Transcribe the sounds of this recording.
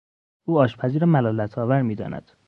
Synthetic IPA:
uːɒːʃpʰæziːɾemælɒːlæt̪ʰɒːvæɾmiːd̪ɒ̰ːnæ̰d̪̥

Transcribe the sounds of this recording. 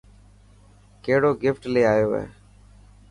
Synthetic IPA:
keːɽoːɡɪfʈleːaːjoːɦḛː

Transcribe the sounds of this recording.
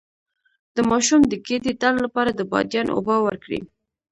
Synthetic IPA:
d̪̥əmɑʃumd̪əked̪et̪allapɑɾad̪əbɑ̰d̪jɑno̰bɑwəɾkɽḭ

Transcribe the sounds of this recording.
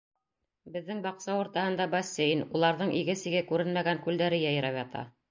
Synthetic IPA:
bɘ̆ðːɘŋbɑqsɑwŏɾt̪ɑhɤ̆nd̪ɑbɐsʲːejnulˠɑɾðɤɴʔiɡɘsĭɡɘkʉɾɘnmæɡæŋkʉld̪æɾɘjɑj̆ɾɑpjɑt̪ʰɑ̰

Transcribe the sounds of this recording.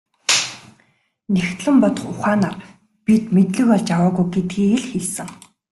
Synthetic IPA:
next̪ɮɘ̆mpɔt̪ɞ̆χʊχaːnaːr | pit̪met̪ɮɘ̆kɔɮt͡ɕjawaːɣujɡet̪̚ɡiːeɮxeɮsɘ̆ŋ

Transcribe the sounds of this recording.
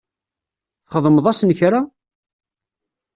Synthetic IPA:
θχəðˤməðˤæsənçɾa

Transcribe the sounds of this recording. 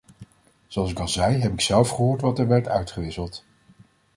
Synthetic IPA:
zoɑlˠsɪkɑlˠzɛjɦɛpɪksɛlˠfχəɦoːɹtʋɑtɛɹʋɛɹtœ̰ɥtχəʋɪsəlˠt

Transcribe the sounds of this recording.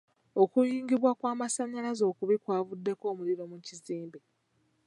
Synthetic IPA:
o̞kujiːŋɡiβwakwaːmasaɲːalazo̞ːkuβikwaːvudːe̞ko̞ːmuliɾo̞muciziːmbi

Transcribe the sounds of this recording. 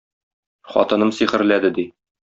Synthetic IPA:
χɒ̰t̪ɤ̆nɤmsiχɘ̆ɾlæd̪ɘd̪i

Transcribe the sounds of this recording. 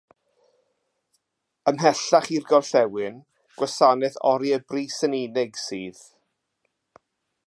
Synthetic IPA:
əmɦɛɬaχirɡɔrɬɛwɨn | ɡ̥wasanɛθɔ̰ɾiəbriːsəninɪɡsiːð

